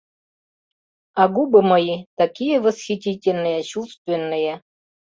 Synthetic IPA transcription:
aɡubɤmɤjit̪akʲijevə̆sxʲitʲitʲelʲnːɨjet͡ɕust̪vʲenːɨje

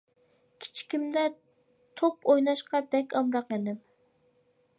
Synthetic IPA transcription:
kʲʰi̥t͡ʃʰi̥kʲimd̪ɛ | t̪ʰopojnɑʃqʰɑp̚d̪ɛkʲɑmɾɑqɛd̪ɪm

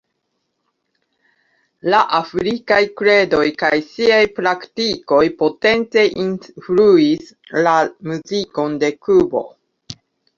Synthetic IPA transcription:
laʔafɾikajkɾe̞do̞jkajsiajpɾaktiko̞jpo̞te̞nt͡se̞ʔinfluis | lamuziko̞nde̞kubo̞̰

